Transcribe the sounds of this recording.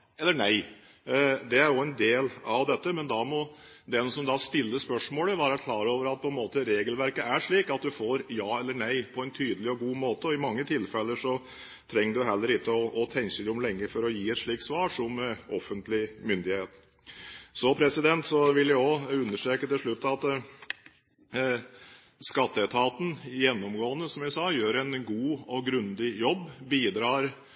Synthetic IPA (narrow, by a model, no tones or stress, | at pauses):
ɛlːəɳæɪ | d̪ɛæɾjʊɛnd̪eːlɑʋd̪ɛt̪ːəmɛnd̪ɑmɔd̪ɛnsɔmd̪ɑst̪ɪlːəspœʂmoːləʋɑːɾəækʰlɑːɾoːʋəɾɑt̪̚pʰɔɛnmoːt̪əɾeːɡəlʋæɾkəæʂɭiːkɑt̪̚d̪ʉfoːɾjɑːɛlːəɳæɪpʰɔɛnt̪ʰyːd̪əlɪɔɡuːmoːt̪əɔɪmɑŋːət̪ʰɪlfɛlːəʂɔ | t̪ʰɾɛŋːəɖʉɦɛlːəɾɪkːəɔʔɔt̪ʰɛŋsɪlʊmlɛŋːəfɔɾɔjiːɛt̪ʂɭiːkt̪sʋɑːʂɔmɔfənt̪lɪmʏnd̪ɪheːt̪ | sɔpʰɾɛsɪd̪ɛnt̪sɔʋɪljæɔʉnːəʂʈeːkət̪ɪlʂɭʉt̪ːɑt̪ | skɑt̪ːəɛt̪ʰɑːt̪n̩jɛnːɔmɡoːənːəsɔmjæɪsɑːjøːɾɛnɡuːɔɡɾʉnd̪ɪjɔbːbiːd̪ɾɑːɾ